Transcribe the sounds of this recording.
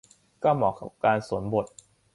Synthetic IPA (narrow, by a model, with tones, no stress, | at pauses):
kɔː˥˩mɔː˨˩ka˨˩p̚kaː˧nsu˩˦nbo˨˩t̪̚